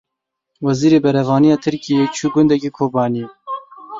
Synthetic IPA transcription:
wɛziːɾeːbɛɾɛvɑːnijɑːt̪ʰɨɾkijeːt͡ʃʰuːɡʊnd̪ɛkiːkʰoːbɑːni

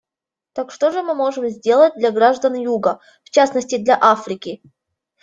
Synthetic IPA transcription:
t̪akʂt̪oʐɨmɨmo̞ʐɨmzʲdʲe̞lˠət̚ʲd̪lʲɐɡɾaʐd̪ənjuɡə | ft͡ɕasnəsʲtʲɪd̪lʲaʔafɾʲɪkʲɪ

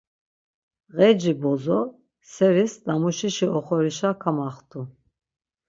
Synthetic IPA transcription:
ɣɛd͡ʒibɔzɔ | sɛɾisd̪amuʃiʃiɔχɔɾiʃakʰamaχt̪ʰʼu

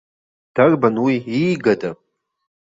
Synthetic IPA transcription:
d̥arbanwiiɡada

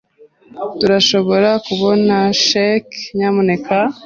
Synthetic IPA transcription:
tuɾaʃo̞βo̞ɾakuβo̞naʃekɲamune̞ka

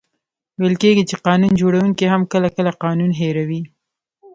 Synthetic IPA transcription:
wejəlkeɡit͡ʃeqɑnund͡ʒoɽawuŋkiɦamkəlakəlaqɑnunɦeɾawi

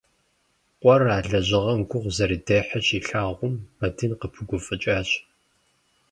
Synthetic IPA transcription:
qʷʼɔraːɮɐʑɪʁɐmkʷʰʊʁʷzɐɾiːdeħɐɕiːɬaːʁʷʊmmɐdʰɨnqəpʰɨɡʷʊfʼɨt͡ʃʼaːɕ

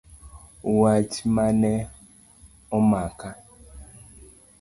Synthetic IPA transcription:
uwat͡ʃimanɛ | ɔmaka

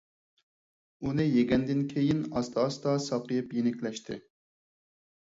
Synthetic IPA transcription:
unɪjeɡʲɛnd̪ɪnkʲʰejinɑst̪ʰɑːst̪ɑsɑqɨjɨpjenɪkʲlɛʃt̪ʰɪ̰

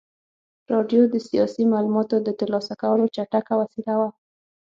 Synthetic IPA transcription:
ɾɑɖjod̪əsijɑsimalumɑt̪od̪ət̪aɾlɑsakawəlot͡ʃaʈakawasilawa

